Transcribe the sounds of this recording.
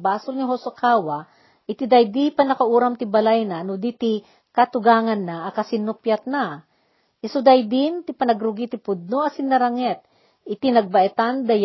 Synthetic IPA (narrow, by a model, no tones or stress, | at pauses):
baːsʊlnɪɦosakʰaːwa | ʔɪt̪id̪ajd̪ipɐnɐkaʔuːɾamt̪ɪbɐlajnanʊd̪it̪ɪ | kat̪ʊɡaːŋɐnːaʔːkɐsɪnːʊpjat̪̚na | ʔɪsʊd̪ajd̪ɪnt̪ɪpɐnɐɡɾʊɡit̪ɪpʊd̪̚noɐsɪnːɐɾɐŋɛt̪̚ | ʔɪt̪inɐɡ̚bɐʔɛt̪and̪ɐj